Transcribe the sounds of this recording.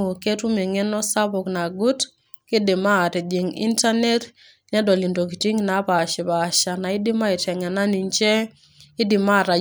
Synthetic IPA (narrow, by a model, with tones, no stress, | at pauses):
o˨ke˦tu˦me˨ŋe˦nɔ˦sa˦bo˨kna˨ɡu˦t | kɪ˦dɪ˨ma˦˨tɛ˨di˨ŋḭ˦nta˦ne˦t | ɲɛ˦dɔ˨li˨ndo˨ki˨ti˦ŋna˨˦ba˨ʃɪ˨ba˨ʃa˨na˨ɪ˦dɪ˦ma˦ɪ˨tɛ˨ŋa˨na˦ni˨nt͡ʃɛ˦ | ɪ˦dɪ˨ma˦˨ɾa˨